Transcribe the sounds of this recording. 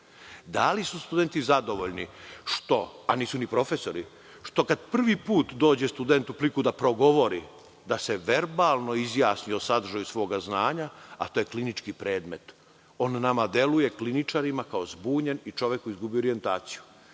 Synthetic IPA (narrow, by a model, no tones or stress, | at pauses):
d̪alisust̪ud̪ent̪izad̪o̞ʋoʎniʃt̪o̞aniːsunipɾo̞fe̞so̞ɾi | ʃt̪o̞kad̪pr̩ʋipuːt̪d̪o̞ːd͡ʑest̪ud̪ent̪uplikud̪apɾo̞ɡo̞ʋo̞ɾi | d̪ase̞ʋe̞ɾbaːlˠnoizjaːsniosad̪rʒajusʋo̞ːɡaznaːɲaa̰t̪ojeklinit͡ʃkipɾe̞ːd̪me̞t̪ | o̞nːamad̪e̞luje̞klinit͡ʃaɾimakao̞zbuːɲenit͡ʃo̞ʋjekːoizɡubioɾie̞nt̪aːt̪si̥ju̥